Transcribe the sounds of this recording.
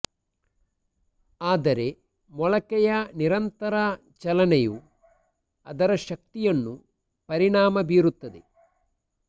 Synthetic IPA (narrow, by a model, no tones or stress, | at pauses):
aːd̪ɐɾe̞ | mɔɭɐkɛjɐniɾɐnt̪ɐɾɐ | t͡ʃɐlɐnɛju | ɐ̰d̪ɐɾɐʃɐk̚t̪ijɐnːu | pɐɾiɳaːmɐbiːɾut̪ːɐd̪ḛ